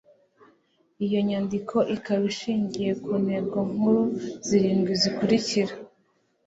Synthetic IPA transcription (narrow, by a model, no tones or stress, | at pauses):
ijo̞ɲaːndikʰo̞ʔikaβiʃiːɲɟije̞kuːne̞bɡoŋ̥huɾuz̥iɾiːmɡwizikuɾiciɾa